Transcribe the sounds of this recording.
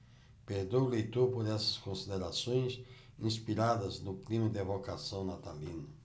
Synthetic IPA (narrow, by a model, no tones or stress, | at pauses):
peɾd̪ewlejt̪opoɾɛsɐ̥skõnsid̪eɾasõj̃s | ĩspiɾad̪ɐznʊklimɐd̪ɪevokasɐ̃w̃nat̪alĩnɐ